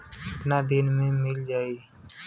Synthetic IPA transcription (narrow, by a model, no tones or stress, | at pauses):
naːd̪ɪnmẽːmɪld͡ʒaːiː